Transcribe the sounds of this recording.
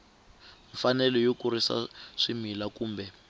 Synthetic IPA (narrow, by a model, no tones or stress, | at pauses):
ɱfanɛlɔjokurisa̰ʂimilakuːmbɛ